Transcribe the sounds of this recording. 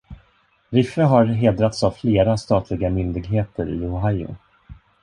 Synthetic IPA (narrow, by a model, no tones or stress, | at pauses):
ɾɪfːəɦaɾɦeːd̪ɾat̪savfleːɾast̪ɑːt̪ʰlɪɡamʏnd̪ɪɡɦeːt̪əɾɪ̰ʊɦajʊ̰